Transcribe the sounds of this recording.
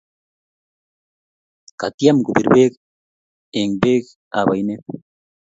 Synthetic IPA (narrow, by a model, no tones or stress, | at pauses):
kat̪jamɡubiɾbek | eŋbek | a̰bajne